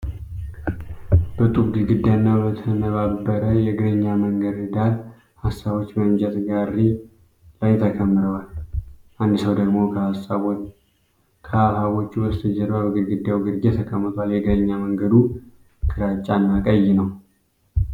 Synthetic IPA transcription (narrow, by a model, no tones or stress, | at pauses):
bət̪ʼufɡɨlɡɨd̪ːjanːabət̪ʰənəβabːəɾəjɛɡɨdəɲːaməŋɡəd̪ɨd̪al | hasːaβo̞t͡ʃːmənd͡ʒʼɛt̪ɡarːi | lajt̪ʰəkʰəmːɨɾəwalʔand̪ɨsəwd̪əɡmo̞kʰəhasaβ | kʰəahaβo̞t͡ʃːuwəst̪ʰɨd͡ʒɛɾβaβəɡɨɾɡɨd̪ːjawɡɨɾɡet̪ʰəkʰəmːət̪ʰaljɛɡɨdəɲːaməŋɡəd̪u | kʰɨɾat͡ʃʼanːakʼəjːɪnəw